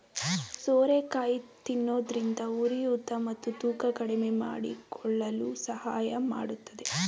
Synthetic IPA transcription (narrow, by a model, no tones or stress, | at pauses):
soːɾekaːjit̪inːoːd̪ɐɾind̪ɐuɾijut̪ːɐmɐt̪ːut̪uːkɐkɐɽɛmema̰ːɽḭkʰɔɭːɐlusɐhaːjɐma̰ːɽut̪ːɐd̪e̞